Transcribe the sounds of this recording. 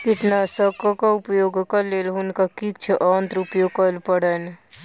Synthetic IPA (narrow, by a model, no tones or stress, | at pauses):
kiʈnasəkokaʊpjoːɡkəleːlɦʊnkakik̚t͡ʃʰəʔant̪ɾupjokəlpəɽən